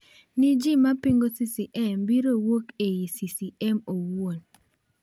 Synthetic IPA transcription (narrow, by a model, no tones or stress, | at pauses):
nɪd͡ʒimapiŋɡosisiʔɛmbiɾowokejisisiɛmowon